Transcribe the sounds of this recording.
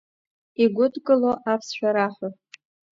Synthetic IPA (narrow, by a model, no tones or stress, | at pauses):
iɡʷʊdkʼɨloʔapʰsʃᶣaɾaħʷo